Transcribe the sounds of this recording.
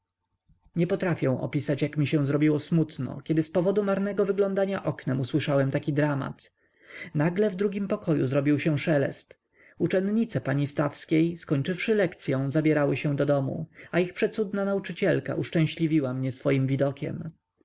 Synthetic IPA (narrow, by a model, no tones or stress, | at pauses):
ɲɛpɔt̪ɾafʲjɛ̃w̃ʔɔ̰pʲisat͡ɕjakmʲiɕɛ̃w̃zɾɔbʲiwɔsmut̪nɔ̰kʲɛd̪ɘspɔvɔd̪umaɾnɛɡɔvɘɡlɔ̃nd̪aɲaʔɔknɛmuswɘʂawɛmt̪akʲid̪ɾama̰t̪ | naɡlɛvd̪ɾuɡʲimpɔkɔjṵzɾɔbʲiwɕɛ̃ʂɛlɛ̰st̪ | ut͡ʂɛnd̪ɲit̪sɛpaɲist̪afskʲejskɔɲt͡ʂɘfʂɘlɛkt̪sʲjɔ̃w̃zabʲjɛɾawɘɕɛ̃d̪ɔd̪ɔmṵaixpʂɛt̪sud̪nanaut͡ʂɘt͡ɕɛlka̰ʔuʂt͡ʂɛ̃w̃ɕlʲivʲiwamɲɛsfɔjimvʲid̪ɔkʲɛ̰m